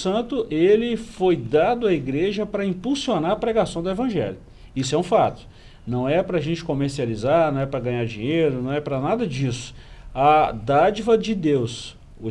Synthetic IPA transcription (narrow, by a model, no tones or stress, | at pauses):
sɐ̃nt̪ʊʔelɪfojd̪ad̪ʊɐiɡɾeʒɐpɾɐĩpuwsionaɾɐpɾɛɡasɐ̃w̃d̪ʊevɐ̃ʒɛ̰ljʊ | isʊɛũfat̪ʊ̥ | nɐ̃w̃ɛpɾɐʒẽt͡ʃɪ̥komeɾsializaɾnɐ̃w̃ɛpɾɐɡɐ̃ɲaɾd͡ʒĩɲejɾʊnɐ̃w̃ɛpɾɐnad̪ɐd͡ʒisʊ̥ | ɐd̪ad͡ʒivɐd͡ʒɪd̪ews | ʊ